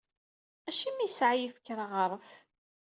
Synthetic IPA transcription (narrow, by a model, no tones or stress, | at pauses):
æʃimisʕajifə̥kːɾaʁəɾˤəf